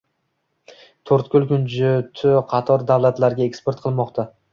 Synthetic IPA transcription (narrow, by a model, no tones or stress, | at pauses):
t̪ʰoɾt̪kʲʰʊlˠkʲʊnd͡ʒʊt̪ʰʊqʰɑt̪ʰɒɾd̪awlat̪laɾɡʲaekspe̞ɾt̪̚qʰɨlˠmɒqt̪ʰa